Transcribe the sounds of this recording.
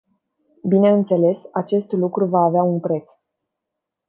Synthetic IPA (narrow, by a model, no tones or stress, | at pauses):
bine̞ɨnt̪se̞le̞sat͡ʃe̞st̪lukɾuvaːveaunpɾe̞t̪s